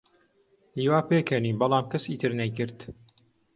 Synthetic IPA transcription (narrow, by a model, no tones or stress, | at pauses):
iːwaːpeːkʰɐniːbɐlˠaːmkɐsiːt̪ʰɨɾnɐjkɨɾt̪